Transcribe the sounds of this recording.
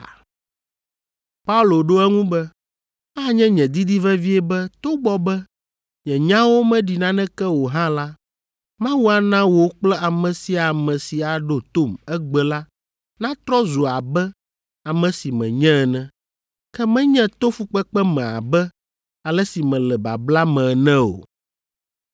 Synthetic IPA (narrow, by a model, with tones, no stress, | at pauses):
pa˦u˦lo˨ɖo˦ɛ˦ŋũ˦bɛ˦ | a˦ɲɛ̃˦ɲɛ̃˨d̪i˦d̪i˦vɛ˦vi˦ɛ˦bɛ˦t̪o˦ɡ͡bɔ˦bɛ˦ | ɲɛ̃˨ɲã˦wo˦mɛ̃˦ɖi˨nã˦nɛ̃˦kɛ˦wo˨ɦã˦la˦ | mã˦wu˦a˨nã˦wo˨˦k͡plɛ˦a˨mɛ̃˨si˦a˨mɛ̃˨si˨a˨ɖo˦t̪o˦mɛ˦ɡ͡bɛ˨la˦ | nã˦t̪ɾɔ˦zu˨a˨bɛ˦ | a˨mɛ̃˨si˨mɛ̰̃˨ɲɛ̃˦˨nɛ̃˦ | kɛ˦mɛ̃˦ɲɛ̃˦t̪o˦fu˦k͡pɛ˦k͡pɛ˦mɛ̃˨a̰˨bɛ˦ | a˨lɛ˦si˨mɛ̃˨lɛ˨ba̰˨bla˦mɛ̃˨nɛ̃˦o̰˨